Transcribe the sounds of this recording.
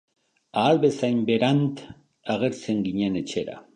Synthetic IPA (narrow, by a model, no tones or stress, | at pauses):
aːlβe̞sajmbe̞ɾant̪ | aɣ̞e̞ɾt͡se̞ŋɡiɲe̞ne̞t͡ʃe̞ɾa̰